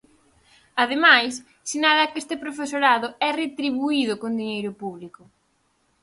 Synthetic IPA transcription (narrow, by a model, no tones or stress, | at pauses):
að̞emajs | sinalakest̪ɪpɾofesoɾaðʊɛret̪ɾiβuiðʊkond̪iɲejɾʊpuβlikʊ